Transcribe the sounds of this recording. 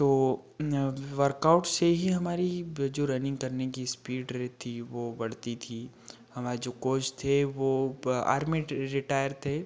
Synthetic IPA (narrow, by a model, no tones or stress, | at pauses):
t̪oː | ʋəɾkaʊʈseɦiɦɐmaːɾid͡ʒoːɾɐnɪ̃ŋɡkɐɾnekispiːɖɾɦt̪ʰiʋoːbɐɽ̤t̪it̪ʰi | hɐmaːɾed͡ʒoːkoːd͡ʒt̪ʰeʋoa̰ːɾmiɾɪʈaːjəɾt̪ʰeː